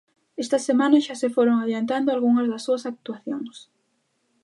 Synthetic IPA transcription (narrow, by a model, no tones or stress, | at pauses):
ɛst̪ɐsemãnɐʃasefoɾoŋaðjant̪and̪oalɣuŋɐzðɐsːuɐsak̚t̪uaθjoŋs